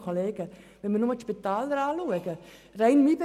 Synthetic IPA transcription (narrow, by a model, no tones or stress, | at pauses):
kʰoleːɡ̥ə | ʋɛnmənʊməʃpit̪aːld̪əɾaːluəɡə | rɛjnmibe